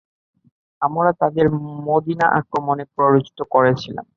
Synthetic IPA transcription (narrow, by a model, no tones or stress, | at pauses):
amɾat̪ad̪eɾmod̪inaʔa̰kɾomonepɾoɾod͡ʑt̪ʰokoɾet͡ɕʰila̰m